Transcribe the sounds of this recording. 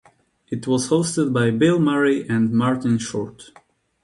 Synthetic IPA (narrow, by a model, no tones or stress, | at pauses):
ɨtʰwʌz̥hoʊstɨd̚baɪbɪlˠmɛɹiʔɨ̃nmɑɹtɨ̃nʃɔ̰ɹt